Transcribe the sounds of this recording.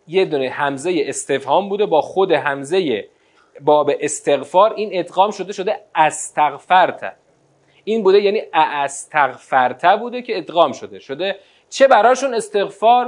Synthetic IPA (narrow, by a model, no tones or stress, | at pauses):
je̞d̪unehæmze̞jeʔest̪e̞fhɒːmbuːd̪e̞bɒːxo̞d̪e̞ɦæmze̞je | bɒːbe̞ʔest̪ʰe̞ɣfɒːɾʔiːne̞d̪ɣɒːmʃo̞d̪eʃo̞d̪eæst̪ʰæɣfæɾt̪ʰæ̰ | ʔiːnbuːd̪e̞jæːniːʔæʔst̪ʰæɣfæɾt̪ʰæbuːd̪ecʰe̞ːd̪ɣɒːmʃo̞d̪e̞ʃod̪e | t͡ʃʰe̞bæɾɒːʃuːne̞st̪e̞ɣfɒːɾ